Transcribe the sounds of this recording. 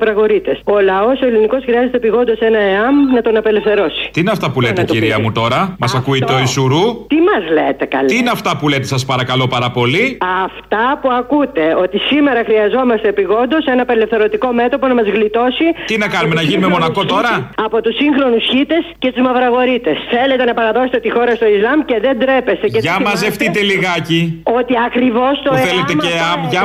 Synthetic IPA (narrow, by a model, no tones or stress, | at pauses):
ɐvɾɐɣo̞ɾit̪e̞so̞lɐo̞soeliniko̞sxɾiɐze̞t̪epiɣo̞nd̪o̞se̞nɐeɐmnɐt̪o̞nɐpe̞lefθeɾo̞si̥t̪iineɐft̪ɐpulet̪ec̪iɾiɐmut̪o̞ɾɐmɐsɐkuit̪eoisuɾut̪imɐzlet̪e̞kɐ̰lt̪iineɐft̪ɐpule̞t̪e̞sɐspɐɾɐkɐlo̞pɐɾɐpo̞liɐft̪ɐpuɐkut̪e̞o̞t̪isime̞ɾɐxɾiɐzo̞mɐst̪epiɣo̞nd̪o̞se̞nɐpele̞fθe̞ɾo̞t̪iko̞me̞t̪opo̞nɐmɐzɣlit̪o̞sit̪inɐkɐnumenɐʝinumemo̞nɐko̞t̪o̞ɾɐɐpo̞t̪usiŋxɾo̞nusçit̪e̞scet̪uzmɐvɾɐɣo̞ɾit̪e̞sθe̞le̞t̪e̞nɐpɐɾɐðo̞set̪et̪ixo̞ɾɐst̪o̞izlɐmce̞ðe̞nd̪ɾe̞pe̞st̪e̞ceʝɐmɐzeft̪it̪eliɣɐcio̞t̪iɐkɾivo̞st̪oθelet̪eeɐmʝɐ